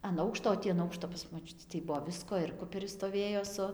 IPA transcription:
ɐn ˈɐʊkʃtoː oː ˈtʲiː ɐn ˈɐʊkʃtoː pɐs moːˈt͡ʃʲʊtʲiː tɐɪ ˈbʊʋoː ˈʋʲɪskoː ɪr ˈkʊpʲɛrʲɪs stoːˈʋʲeːjoː sʊ

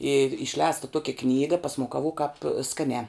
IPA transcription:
iːr ɪʃʲˈlʲɛːstɐ ˈtuɔkʲɛ ˈknʲiːɡɐ pɐsmʊkɐˈʋʊk kɑːp ˈskɑːnʲæː

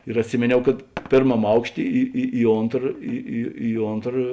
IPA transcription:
ɪr ɐtʲˈsʲɪmʲeːnʲɛʊ kɐt pʲeːrˈmɐm ˈɐʊkʃʲˌtʲeː ˈɪ ɪ ɪ ˈoːntrɐ ˈɪ ɪ ɪ ˈoːntrɐ

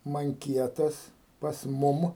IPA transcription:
mɐŋʲˈkʲiɛtɐs pɐs ˈmʊm

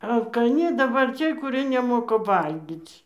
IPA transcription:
ɐlˠkɐˈnʲɪ dɐˈbɐr ˈt͡sʲiɛj kʊˈrʲiɛ nʲɛˈmoːkɐ ˈʋɐlʲɡʲiːt͡sʲ

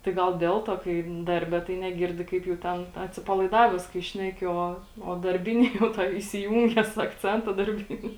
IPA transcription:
tɐɪ ˈɡɐlˠ ˈdʲɛlˠ tuɔ kɐɪ ˈdɐrʲbʲɛ tɐɪ nʲɛˈɡʲɪrʲdʲɪ kɐɪp jɛʊ ˈtʲɛn ɐtʲsʲɪpɐlˠɐɪˈdɑːʋʲɛs kɐɪ ˈʃʲnʲæːkʲɪ ˈoː oː dɐrʲˈbʲɪnʲɪ jɛʊ ˈtoːj ɪsʲɪˈjuːŋʲɡʲɛs ɐkˈt͡sʲɛntɐ dɐrʲˈbʲɪnʲɪ

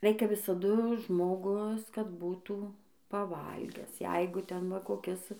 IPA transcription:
ˈrʲɛɪkʲɛ ʋʲɪsɐˈdʊ ʒmoːˈɡʊs kɐt ˈbuːtuː pɐˈʋɐlʲɡʲæːs ˈjɛɪɡʊ ˈtʲɛn ʋɐ koːˈkʲɪs

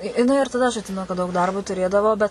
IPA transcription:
ɪ jɪˈnɐɪ ɪr tɐˈdɐ ɐʃ ɐtʲˈsʲɪmʲɛnʊ kɐt dɐʊk ˈdɐrboː tʊˈrʲeːdɐʋoː bʲɛt

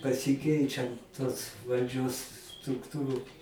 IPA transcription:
pɐsʲɪˈkʲɛɪt͡ʃʲɛnt toːs ʋɐlʲˈd͡ʒʲoːs strʊkˈtuːrʊ

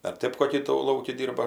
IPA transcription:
ɐr ˈtɜp koːˈkʲiː tuː ˈlˠɐʊkʲɪ ˈdʲiːrbɐ

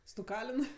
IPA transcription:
stʊˈkɑːlʲɪn

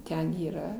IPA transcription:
ˈtʲɛn iːˈrɐ

